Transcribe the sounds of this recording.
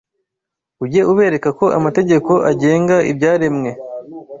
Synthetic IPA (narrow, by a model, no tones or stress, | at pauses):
uɟe̞ʔuβe̞ːɾe̞kako̞ʔa̰mate̞ɟe̞ko̞ʔaɟe̞ːŋɡaʔḭbɟaːɾemŋe̞